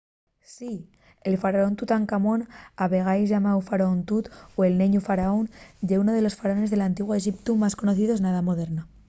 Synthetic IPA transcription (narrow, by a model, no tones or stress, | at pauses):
si | elfaɾaont̪ut̪aŋkamo̞naβe̞ɣ̞ajzʝamawfaɾaont̪ut̪oe̞lne̞ɲufaɾaonʝeuno̞ðe̞lo̞sfaɾaone̞zðelant̪iɣwoeʝipt̪umasko̞no̞θiðoeznaðamo̞ð̞e̞ɾno